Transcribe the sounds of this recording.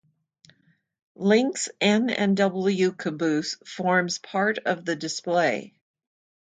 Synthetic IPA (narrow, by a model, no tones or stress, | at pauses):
lɪ̃ŋksɛ̃nɛ̰̃ndʌbl̩ˠjʉkʰɨbʉsfɔɹmz̥pʰɑɹɾʌvðɨdɨspleɪ